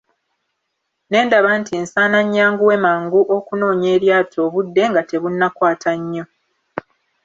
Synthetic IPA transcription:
ne̞ːndaβantʰinsaːnaɲːaːŋɡuwe̞maːŋɡuʔo̞kuno̞ːɲe̞ːɾjaːtʰo̞ːβudːe̞ŋɡate̞βunːakwaːtʰaɲːo̞

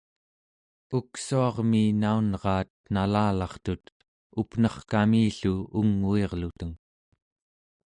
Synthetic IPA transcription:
uksuɑʁmiːnaunʁɑːt̪̚nalaːlɑχt̪ut̪ | upnʌχkamiːɬuuŋːueʁlut̪əŋ

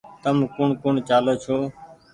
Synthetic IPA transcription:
t̪əmkʊɳkʊɳt͡ʃaːloːt͡ʃʰoː

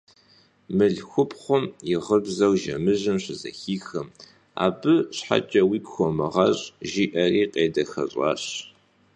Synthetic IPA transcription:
mɨɮxʷʊpχʷʊmjɪʁəbzɐwʒɐmɨʑɨmɕɪzɐ̰xiːxɐm | a̰ːbɨɕħa̰t͡ʃʼɐwiːkxʷɔmɨʁɐɕʼʒiːʔɐriːqʼeːdɐxɐ̰ɕʼɑ̰ːɕ

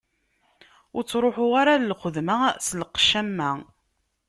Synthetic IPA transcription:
ʊɾt͡sːɾˤoħʊʁaɾallχəðmaslqʃæmːæ

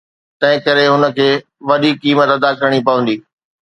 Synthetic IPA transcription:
t̪ɐ̃ɦɪ̃kɐɾeɦʊnə̆kʰeː | ʋɐɗikiːmət̪ɐd̪akɐɾəɽ̃ipɐʋə̃nd̪iː

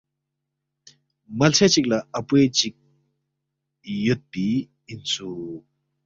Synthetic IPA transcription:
mɐlt͡sʰet͡ɕik̚lɐɐpuet͡ɕik̚ | jot̪̚pi | int͡sʰu

